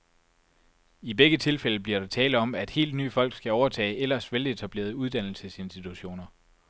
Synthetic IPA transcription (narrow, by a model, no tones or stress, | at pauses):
ibeɡ̥ət͡sʰe̝lfeləbliɐɾ̥ɑt͡sʰɛːlɒ̽mæd̥he̝̰ːld̥ny̰ːfɒ̽l̰ɡ̥sɡ̥æɒʊɐt͡sʰɛ̰ːɪʔelɐsʋele̝t͡sʰæb̥le̝̰ːɐðˠuð̞ˠd̥æn̰l̩səse̝nsd̥it͡sʰuɕo̝̰ːnɐ